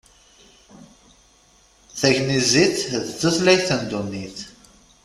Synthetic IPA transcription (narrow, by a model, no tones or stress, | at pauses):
θæʝniziθðt͡sːəθlæjθænd̪unːiθ